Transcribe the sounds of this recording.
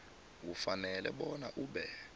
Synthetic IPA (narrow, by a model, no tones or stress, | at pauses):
kufanɛlɛɓɔnaʔuːɓɛ